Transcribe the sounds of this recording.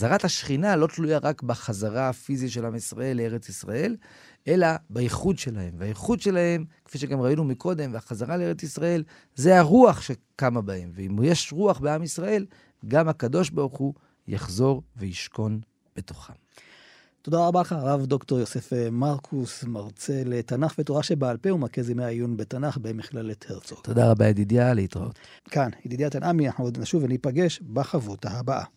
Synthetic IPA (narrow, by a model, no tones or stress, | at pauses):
zaʁat̪haʃχinalo̞t̪lujaʁakbaχazaʁafizitʃe̞lamisʁaʔe̞lːeeʁet͡sisʁa̰e̞l | ʔe̞labaiχudʃe̞lahe̞mveajiχud̪ʃe̞lahe̞mkfiʃeɡamʁainumikʰo̞d̪e̞mveaχazaʁalee̞et͡sisʁae̞l | ze̞aʁuaχʃe̞kamabaemveimujeʃʁuaχbeamisʁae̞l | ɡamhakad̪o̞ʃbaʁuχu | ja̰χzo̞ʁvejiʃko̞n | b̥e̞to̞̥χam | to̞d̪aʁabaχaʁavdo̞kto̞ʁjosefemaʁkʰusmaʁt͡se̞letanaχvetoʁaʃebaːlpeumakezimeaijunbetanaχbemiχlalːet̪ʰeʁtt͡soltːodaʁabaid̪idjaleitʁa̰o̰t | kanid̪id̪jat̪anʔamiaħod̪naʃuvanipaɡe̞ʃbaχavuthaabaʔa̰